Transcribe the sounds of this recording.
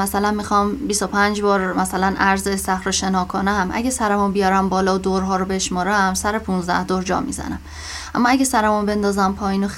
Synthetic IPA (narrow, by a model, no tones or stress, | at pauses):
æsælænmixɒːmbisopʰænd͡ʒbɒːɾmæsælænʔæɾzesæxɾoʃe̞nɒːkʰonæmʔæ̰ɟesæɾemunbijɒːɾæmbɒːlɒːd̪oɾɦɒːɾobe̞ʃmɒːɾæmsæɾepʰunzd̪æ̰hd̪oɾd͡ʒɒ̰ːmḭzæ̰næm | æ̰mːɒæɟesæɾemunbe̞nd̪ɒːzæmpʰɒːjiːnox